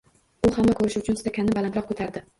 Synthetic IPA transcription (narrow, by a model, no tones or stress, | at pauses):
ʊhamːakʰɵɾɪʃɪʊt͡ʃʰʊnt̪ʊ̥t̪ʰakʲʰanːɪbalanɾɒq̚kʰɵt̪ʰaɾd̪ɪ